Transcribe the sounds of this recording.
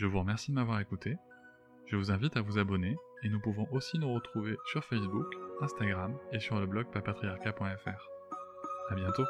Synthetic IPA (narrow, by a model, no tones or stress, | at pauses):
ʒəvuʁəmɛʁsid̪əmavwaʁekut̪e | ʒ̥əvuzɛ̃vit̪avuzabɔneenupuvɔ̃ʔosinuʁət̪χuvesyʁfɛsbukɛ̃st̪aɡʁamesyʁləblɔɡ̚papat̪χijaʁkapwɛ̃ɛfɛːʁ | abjɛ̃t̪o